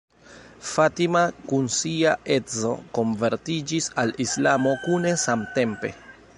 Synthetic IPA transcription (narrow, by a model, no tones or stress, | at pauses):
fatimakunsiaʔe̞zo̞̰ko̞nve̞ɾtid͡ʒisalislamo̞kune̞samte̞mpe̞̰